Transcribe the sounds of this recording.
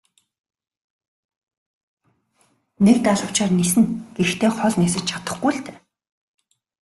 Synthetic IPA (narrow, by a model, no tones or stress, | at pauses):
nek̚t̪aɮʊ̆w̥t͡ɕaːrnisɘ̆nɡ̥ext̪ʰeːχɔɮneːsɘ̆t͡ɕt͡ɕʰḁt̪ə̥̆χɡujɬt̪e̥ː